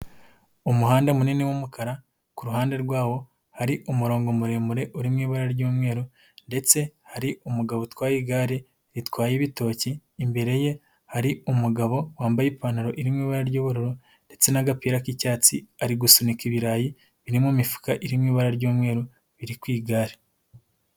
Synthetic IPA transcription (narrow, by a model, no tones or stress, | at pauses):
umuhaːndemuniniwumukʰaɾa | kuɾuɦaːnde̞ɾɡwaːwo̞ | haɾiʔumuɾoːŋɡo̞muɾe̞ːmuɾe̞ʔuɾimŋiːβaɾaɾɟuːmŋe̞ːɾu | nde̞t͡se̞haɾiumuɡaβotwaːjiɡaːɾe | ɾitwaːjeβito̞ːciːmbe̞ɾe̞je̞ | haɾiumuɡaβo̞waːmbajipaːnaɾo̞ʔiɾimŋiːβaɾaɾɟoːβuɾuɾu | nde̞t͡senaɡapiːɾakicaːt͡siaɾiɡusunikiβiɾaːji | βiɾimumifu̥kaʔiɾimŋiːβaɾaɾɟoːmŋe̞ːɾo | βiɾikwiːɡaːɾe